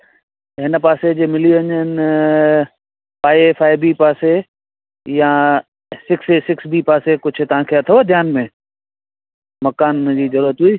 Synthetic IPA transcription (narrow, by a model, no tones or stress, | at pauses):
ɦɪnəpaːsed͡ʑeːmɪliɐɲən | paːiefaːɪbipaːse | jã | sɪksesɪksbipaːsekʊd͡ʑʱʰʊt̪ɐʋ̤ãkʰeɐt̪ʰod̪ʱjaːnmẽ | mɐkaːnd͡ʑiːzɐɾuɾət̪ɦuiː